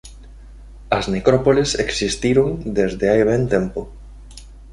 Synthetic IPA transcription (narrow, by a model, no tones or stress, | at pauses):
ɐznekɾɔpoleseksist̪iɾoŋd̪ezðeajβ̞ent̪empo